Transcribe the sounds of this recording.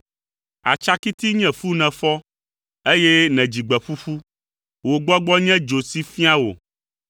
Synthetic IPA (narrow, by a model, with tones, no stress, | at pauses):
a̰˨t͡ʃa˦ki˦t̪i˦ɲɛ̃˨fu˦nɛ̃˨fɔ˦ | e˦je˦nɛ̃˨d͡ʑi˨ɡ͡bɛ˨ɸu˦ɸu˦ | wo˨ɡ͡bɔ˦ɡ͡bɔ˦ɲɛ̃˦d͡ʒo˨si˦fi˦a˦wo̰˨